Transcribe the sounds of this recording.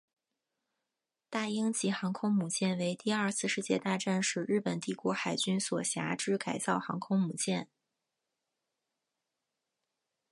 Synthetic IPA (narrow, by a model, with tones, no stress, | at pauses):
t̪a˥˩i˥ŋt͡ɕi˧˥xɑ˧˥ŋkʰʊ˥ŋmu˨˩t͡ɕjɛ˥˩nwe˧˥ɪt̪i˥˧ɐ˞˥˧sɹ̩˥˧ʂɻ̩˥˧t͡ɕjɛ̰˥˧t̪a˥˧ʈ͡ʂa˥˧nʂɻ̩˥˧ɻɻ̩˥˩pə˨˩nt̪i˥˩kwɔ˧˥xa˨˩ɪt͡ɕy˥nswɔ˨˩ɕja̰˧˥ʈ͡ʂɻ̩˥ka˨˩ɪt͡sɑ˥˩ʊxɑ̰˧˥ŋkʰʊ˥ŋmu˨˩t͡ɕjɛ˥˩n